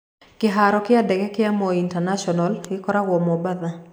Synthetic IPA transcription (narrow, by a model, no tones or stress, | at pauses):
kɪɦaɾɔkɪadɛɡɛkɪamɔintanaʃɔnalɡɪkɔɾawɔmɔbaða